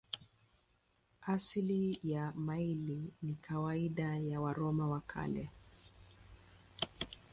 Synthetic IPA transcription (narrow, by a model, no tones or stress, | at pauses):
aslijamailinikʰawaiɗajawaɾɔmawakʰa̰lɛ